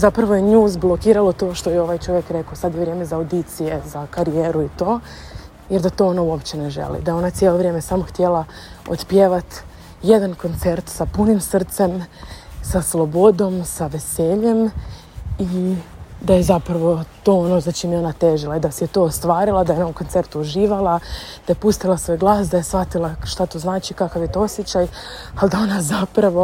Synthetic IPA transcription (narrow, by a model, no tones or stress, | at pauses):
zapɾaʋojeɲuːzblˠokiːɾalo̞t̪oːʃt̪o̞jeo̞ʋajt͡ʃo̞ʋjekɾe̞kosad̪jeʋɾjeme̞zaawd̪it̪sije̞zakaɾijeːɾuit̪o̞ː | jeɾd̪at̪o̞ːonauopt͡ɕeneʒḛlḭd̪ajeonat̪sjelˠo̞ʋɾje̞ːmesamo̞xt̪je̞lao̰t̪pjeʋat̪ | jed̪anko̞nt̪se̞ɾt̪sapunimsr̩t̪se̞msaslˠo̞bo̞d̪o̞msaʋe̞se̞ːʎe̞m | i | d̪ajezapɾaʋo̞t̪o̞ːonozat͡ʃimjo̞nat̪eːʒilaid̪asejet̪o̞ːst̪ʋaːɾilˠad̪ajeonoomko̞nt̪e̞ɾt̪uuʒiːʋalˠad̪̥aje̞pust̪ilˠasʋo̞jɡlˠaːsd̪aje̞sʋat̪ilˠaʃt̪at̪oːznaːt͡ʃikakaʋjet̪oosjet͡ɕaj | ald̪ao̞nazapɾaʋo̞